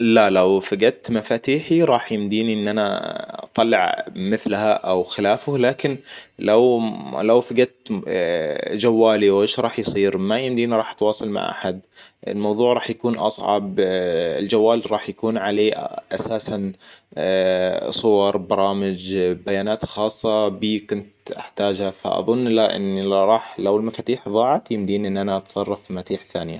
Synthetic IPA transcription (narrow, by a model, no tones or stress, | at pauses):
lalawfaɡat̪mafaːt̪iːħiɾˤɑːħjɪmd̪iːniʔɪnːʔanat̪ˤɑlːɪʕmɪθlhaʔawxɪlaːfʊlaːkɪnlawlawfaɡat̪ | d͡ʒawːaːliwʔeːʃɾˤɑːħjsˤiːɾmajɪmd̪iːniɾˤɑːħt̪wɑːsˤɑlma̰ʕʔa̰ħad̪ɪ̰lmɑwðˤuːʕɾˤɑːħjakuːnʔɑ̰sˤʕɑ̰bɪ̰ld͡ʒawːaːlɾˤɑːħjakuːnʕaleːʔasaːsan | sˤʊwɑɾˤbɑɾˤɑːmɪd͡ʒbajaːnaːt̪xɑːsˤːɑbiːkʊnt̪ʔaħt̪aːd͡ʒhafa̰ʔɑ̰ðˤʊnːʔɪlːaʔɪ̰nːilɾˤɑːħlawɪlmafaːt̪iːħðˤɑːʕɑt̪jɪmd̪iːnʔɪnːʔanaʔɑt̪sˤɑrˤːɑfilmat̪iːħθaːnɪja̰